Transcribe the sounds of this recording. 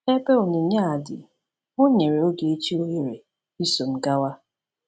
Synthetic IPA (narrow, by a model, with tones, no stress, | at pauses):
e˦pe˦o˨ni˨ɲa˦a˨dɪ̰˨ | o˦ɲe˨ɾe˨o˦ɡe˨e˦t͡ʃi˦o˦ɣe˨ɾe˨ | i˦so˨m̩˨ɡa˦wa˦